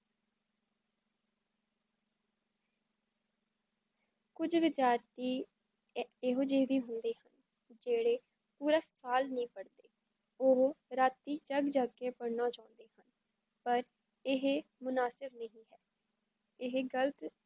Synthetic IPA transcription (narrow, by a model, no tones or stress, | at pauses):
kʊd͡ʒʋɪd͡ʒaːɾt̪iː | eɦoːd͡ʒeːʋiːɦʊnd̪eːhən | d͡ʒeːɽeː | puːɾaːsaːlnĩːpəɽd̪eː | oɦɾaːt̪ːiːd͡ʒəɡd͡ʒaːɡeːpəɽnãːt͡ʃãːʊ̃nd̪eːhən | pəɾ | ɪɦmʊnaːsɪbnəɦĩːɦɛː | ɪɦɡələt̪